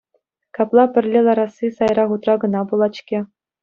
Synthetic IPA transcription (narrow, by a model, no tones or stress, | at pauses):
kɑplˠɑpʲɘ̆rʲlʲelˠɑɾɑsːisɑjɾɑχut̪rɑɡɤ̆nɑbulˠɑt͡ɕkʲe